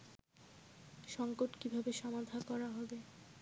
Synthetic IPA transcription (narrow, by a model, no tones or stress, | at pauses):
ʃɔŋkoʈkibʱabeʃɔmad̪ʱakɔɾaɦɔbe